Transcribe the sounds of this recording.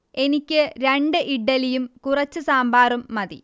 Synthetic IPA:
e̞nikʲːɨɾeɳɖɨʔiɖːɐlijumkurɐt͡ɕːɨsaːmbaːrumːɐðḭ

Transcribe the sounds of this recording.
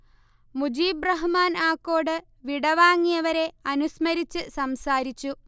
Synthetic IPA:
mud͡ʑiːbrɐɦmaːnaːkːo̞ːɽɨ | ʋiɽɐʋaːŋːijɐʋɐɾe̞ɐnusmɐɾit͡ɕːɨsɐmsaːɾit͡ɕːu

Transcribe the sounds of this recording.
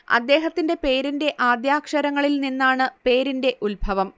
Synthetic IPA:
ɐ̰d̪ːe̞ːɦɐt̪ːinde̞pe̞ːɾinde̞ʔaːd̪jaːkʂɐɾɐŋːɐɭilninːaːɳɨpe̞ːɾinde̞ʔulbʱɐʋɐm

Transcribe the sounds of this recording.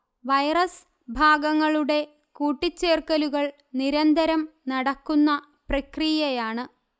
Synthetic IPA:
ʋɐjrɐs | bʱaːɡɐŋːɐɭuɽe̞ | kuːʈːit͡ɕːeːrkɐluɣɐɭ | niɾɐnd̪ʱɐɾɐmnɐɽɐkːunːɐ | prɐkrijɐjaːɳɨ

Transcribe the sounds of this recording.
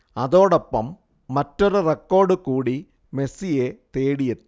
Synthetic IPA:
ɐðo̞ːɽopːɐmː | ɐtːoɾurekːo̞ːrɖɨkuːɽi | me̞sijet̪eːɽijɐt̪ː

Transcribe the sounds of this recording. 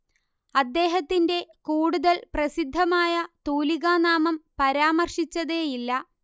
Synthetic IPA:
ɐd̪ːe̞ːɦɐt̪ːinde̞kuːɽuðɐlprɐsid̪ʱːɐmaːjɐt̪uːliɣaːnaːmɐmpɐɾaːmɐrʂit͡ɕːɐðejilːɐ

